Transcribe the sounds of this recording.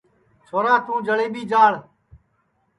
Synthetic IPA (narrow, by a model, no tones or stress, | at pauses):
t͡ʃʰoːɾãːt̪ũːd͡ʒəɭeːɓiːd͡ʒaːɭ